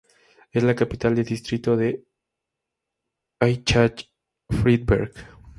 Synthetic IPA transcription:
e̞zlakapit̪ald̪e̞ld̪ist̪ɾit̪o̞ðe̞ | ajt͡ʃat͡ʃ | fɾid̪̚bḛɾɣ

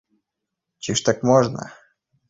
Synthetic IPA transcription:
t͡ɕiʂt̪akmɔʐna̰

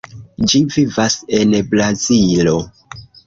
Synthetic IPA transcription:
d͡ʒivivase̞nbɾazilo̞

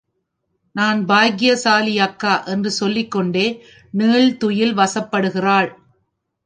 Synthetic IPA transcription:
naːnbaːɣɪjɐsaːlɪjakːaːʔɛndrɯsɔlːɪkːɔɳɖeː | niːɭt̪ʊjɪlʋɐsɐpːɐɽɯɣɪraːɭ

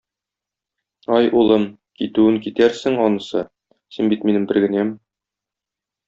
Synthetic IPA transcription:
ɒjulˠɤm | kit̪ʉɘŋkit̪æɾsɘŋɒnɤ̆sɤ | sinbit̪minɘmbɘ̆ɾɡɘ̆næm

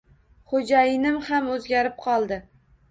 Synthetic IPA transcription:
χod͡ʒajɪnɪmhamɵzɡʲaɾɪp̚qʰɒlˠd̪ɪ

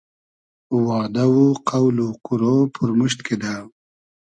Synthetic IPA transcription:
wɑːd̪awuqawluquɾopʰʊɾmuʃt̪kʰed̪aw

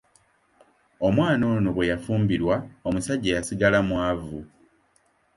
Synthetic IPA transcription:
o̞mwaːno̞ːnoβwe̞jafuːmbiɾwao̞musaɟːejasiɡalamwavu

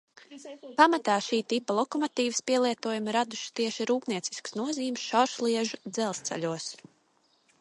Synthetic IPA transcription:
pamat̪aːʃiːt̪ipɐlˠɔkɔmɔt̪iːvspiɛlˠiɛt̪uɔjumɾad̪uʃi̥t̪iɛʃiɾuːpniɛt̪si̥skə̥snuɔziːmsʃawʃlˠiɛʒud̪zɛlˠst̪sɛ̰ʎʲuɔs

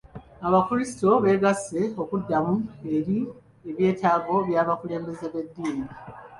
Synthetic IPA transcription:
aβakuɾisi̥to̞βe̞ːɡasːe̞o̞kudːamue̞ɾi | eβje̞ːtaːɡo̞βjaːβakule̞ːmbe̞zeβe̞dːieni

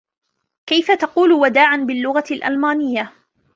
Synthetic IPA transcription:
kajfat̪ɑquːlwad̪aːʕanbɪlːʊɣalʔa̰lmaːnɪjːa

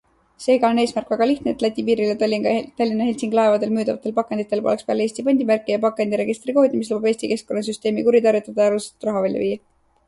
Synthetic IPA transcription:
se̞ːɡɑo̞neːsmærkˑvæɡ̥ɑliht̪neːt̪læt̪ʲːˑipiːɾilet̪lʲiɡt̪ɑlʲːinɑhelʲsiŋɡ̥lɑe̞vɑd̪e̞lmyːd̪ɑvɑt̪ːˑe̞lpɑkːˑend̪̥it̪ːˑe̞lpo̞lekspeæleːsʲt̪ipɑnʲd̪̥ʲimærkːˑijɑpɑkːˑend̪iɾe̞ɡist̪riko̞hd̪ʲimis̬lubɑb̥e̞ːsʲt̪ike̞sko̞nːɑs̬yst̪e̞ːmikuɾit̪ɑrjut̪ːˑɑd̪̥ɑjɑɾuse̥t̪u̥t̪ːrɑɦɑvælʲjɑ̰viːjɑ

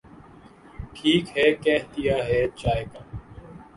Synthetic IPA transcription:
ʈʰiːkɦɛːkɛːɦt̪ɪjaːɦɛːt͡ʃaːeːkaː

